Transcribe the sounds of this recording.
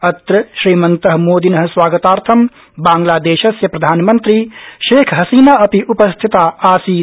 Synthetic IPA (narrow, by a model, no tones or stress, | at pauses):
ɐt̪ɾɐʃɾiːmɐnt̪ɐɦɐmoːd̪inɐɦɐ̆swaːɡɐt̪aːɾt̪ʰɐm | baːŋɡlaːd̪eːʃɐsjɐpɾɐd̪ʱaːnmɐnt̪ɾiʃeːkʰɦɐsiːnaːɐpiʔupɐst̪ʰit̪aːaːsiː